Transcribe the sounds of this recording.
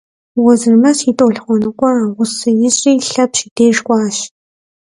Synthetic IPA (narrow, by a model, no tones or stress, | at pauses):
wɔzɨrmɐɕitʼoːɬχʷɔnɨqʷʼɔraːʁʷʊsɨjɪɕʼiːɬɐpɕideːʂkʷʼɑːɕ